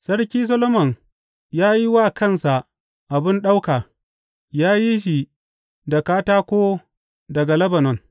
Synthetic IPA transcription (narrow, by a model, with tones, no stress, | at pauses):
sɐ˦ɽkʲiː˦s̬ɐ˦lo˦mɐ˨ŋ | jaː˦ji˦waː˦˨kɐ˦˨nsa˨ | ʔa˨bɪ˦nɗa˦wkaː˨ | jaː˦ji˦ʃ̬i˨ | da˨kaː˦taː˦kʷoː˦ | dɐ˨ɡa˨lɐ˦bɐ˨nɔ˨n